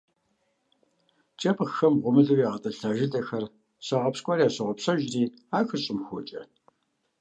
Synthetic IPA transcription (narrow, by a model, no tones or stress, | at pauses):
t͡ʃʼɐpxɐmʁʷʊmɨɮɨwiːʁɐtʼɐɬaːʒɪtʼɐxɐr | sɐʁɐpskʷʼɔɾijaːsɐʁɔpsɐʒriː | aːxɐɕʼɪmxʷɔt͡ʃʼɐ